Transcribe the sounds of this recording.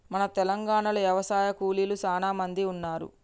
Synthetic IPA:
mɐnɐt̪ɛlɐŋɡaːɳɐlɐʋjɐʋɐsaːjɐkuːlilut͡ʃaːnaːmɐnd̪iunːaːɾṵ

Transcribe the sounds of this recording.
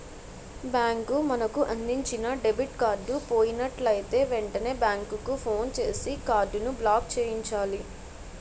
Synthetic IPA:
bjaːŋkumɐnɐkuʔɐnd̪iɲt͡ʃinɐɖebʱiʈkaːɾɖupo̞ːjinɐʈlɐjit̪e̞ːʋeɳʈɐne̞ːbjaːŋkukupʰo̞ːnt͡ʃe̞ːsikaːɾɖunublaːk̚t͡ʃeːjiɲt͡ʃaːli

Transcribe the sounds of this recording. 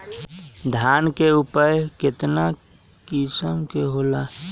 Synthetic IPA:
d̪ʱjankeupəjkɪt̪na | kisəmkeɦola

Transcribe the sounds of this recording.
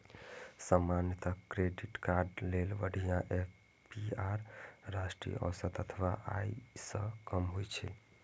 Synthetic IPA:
səmanjət̪əkɾeɖiʈkaɾɖlelʋəɽ̤ʱijãʔep | piaɾːasʈɾḭj̰ʔɔ̰sət̪ət̪ʰʋaʔa̰isə̃kəmɦojt͡ʃʰɛ

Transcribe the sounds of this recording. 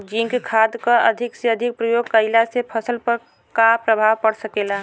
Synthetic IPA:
d͡ʒĩŋkkʰad̪kəəd̪ʱikseəd̪ʱik̚pɾəjoɡkəɪlasepʰəsəlpəɾ | kapɾəbʱawpəɽsəkela

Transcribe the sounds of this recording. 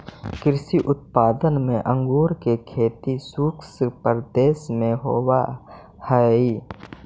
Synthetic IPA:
kɪɾʃiʔʊt̪̚paːd̪ənmẽʔə̃ŋɡuːɾkekʰeːt̪isuːkspəɾd̪eːsmẽɦoːa | hɛi

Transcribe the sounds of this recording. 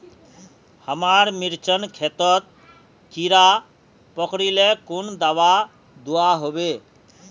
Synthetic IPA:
həmaɾmiɾt͡ʃɔnkʰet̪ɔt̪̚ | kiɾa | pɔkɾilekund̪awa | d̪uaɦobe

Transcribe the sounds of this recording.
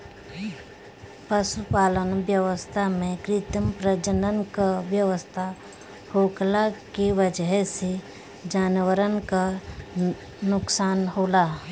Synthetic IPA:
pəʃupaːlənbjəʋəst̪ʰamẽkɾɪt̪əmpɾəd͡ʒənənkaʋjəʋəst̪ʰa | hoːklakiʋəd͡ʒəɦse | d͡ʒaːnwəɾənka | nʊksaːnɦoːlaː

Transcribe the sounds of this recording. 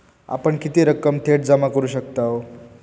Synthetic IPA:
a̰pəɳkit̪iɾəkəmt̪ʰeʈ̚d͡zəmakəɾuːɕək̚t̪a

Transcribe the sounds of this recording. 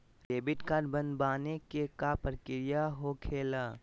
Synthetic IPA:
keːbɪʈkaːɾɖbɐ̃nd̪baːnekekapɾkɪɾɪjaɦokʰeːlaː

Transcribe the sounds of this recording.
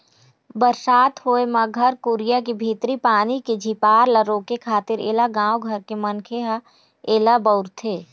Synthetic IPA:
bəɾsaːt̪hoːemaɡʱɐɾkuːɾɪjakibʱiːt̪ɾipaːniked͡ʒʱipaːɾləɾoːkekʰaːt̪ɪɾḛːlaɡãːwɡʱɐɾkemɐnkʰeɦa | eːlabəʊɾt̪ʰeː

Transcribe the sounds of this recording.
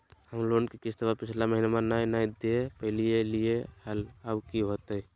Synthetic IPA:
həmlonkekist̪əbapit͡ʃʰlaməɦinamənanajd̪epəɦɪlijelijehəlabkiɦot̪əj

